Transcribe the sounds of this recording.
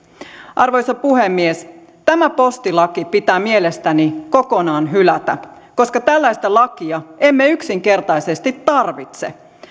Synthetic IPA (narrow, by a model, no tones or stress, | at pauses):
ʔɑrʋo̞jsɑpuhemːies | t̪æmæpo̞st̪ilɑkipit̪æːmie̞lest̪æniko̞ko̞nɑːnɦylæt̪æ | ko̞skɑt̪ælːæjst̪ælɑkiɑemːeyksiŋke̞rt̪ɑjsest̪it̪ːɑrʋit̪sḛ